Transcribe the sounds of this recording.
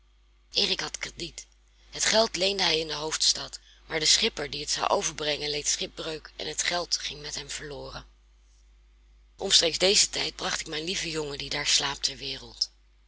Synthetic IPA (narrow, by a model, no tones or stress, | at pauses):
ʔɪːrɪkɦɑtkrədit | ɦətχɛlˠtlejndəɦɛjɪndəɦowftstɑt | maːɹdəsχɪpəɹdiətsɑ̰wʔo̰wvəɹbrɛŋənlejtsχɪb̚brøɥkʔɛ̰nɦətχɛlˠtχɪŋmɛtɦɛmv̥əɹlʊːrən | ʔɔmstrejkzdejzətɛjd̚brɑχtɪkmɛjnlivəjɔŋədidaːɹslaːp̚tɛɹʋɪːrəlˠt